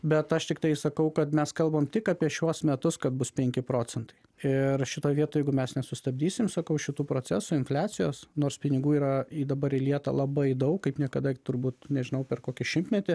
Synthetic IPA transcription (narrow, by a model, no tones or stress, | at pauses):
bʲɛt̪ɐʃt̪ʲɪkt̪ɐɪsɐkɐʊkɐt̪mʲɛskɐlˠbɐmt̪ʲɪkɑːpʲiɛʃʲuɔsmʲɛt̪ʊskɐt̪̚bʊspʲɛŋʲkʲɪpɾoːt͡sʲɛnt̪ɐɪɪɾʃʲɪt̪oːjʋʲiɛt̪oːjɛɪɡʊmʲɛsnʲɛsʊst̪ɐbʲdʲiːsʲɪmsɐkɐʊʃʲɪt̪uːpɾoːt͡s̪ʲæsʊɪnfʲlʲæːt͡s̪ʲɪjoːsnoːrspʲɪnʲɪɡuːiːɾɐid̪ɐbɐɾilʲiɛt̪ɐ̰lˠɐbɐɪd̪ɐʊkkɐɪpnʲiɛkɐd̪ɐt̪ʊɾbuːt̪nʲɛʒʲɪnɐʊpʲɛɾkoːkʲɪʃʲɪmʲt̪ʲmʲɛt̪ʲɪ